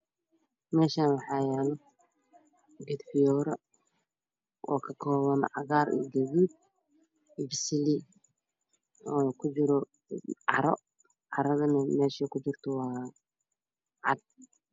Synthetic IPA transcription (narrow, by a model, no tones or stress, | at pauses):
mɛːʃaːnwɑħɑːjɛːlɔ | ɡɛd̪ħɪjɔːɾɐ | wʔɑ̰ːkʰɐkʰɔːβɐnʕɑɣaːrḭɡɐβuːd̪̚ | bɪsɪli | ɔkʰʊd͡ʒɪɾɔ | ʕɑɾɔ̰ | ʕɑɾɐðɐnɐmɛːʃɛkʰʊt͡ʃɪrt̪ʰɔwɑː | ʕɑd̪̚